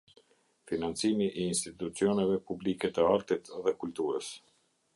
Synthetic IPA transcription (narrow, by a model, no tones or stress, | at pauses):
finant͡simiʔiːnst̪it̪ut͡siɔnɛvɛpublikɛt̪əaɾt̪it̪ðɛkult̪uɾəs